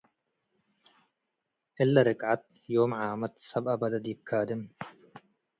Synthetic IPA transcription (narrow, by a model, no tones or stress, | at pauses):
ʔɪlːaɾɪkʕat̪̚ | joːmʕaːmɐt̪sɐbʔɐbɐd̪ɐd̪iːb̚kʰaːd̪ɪm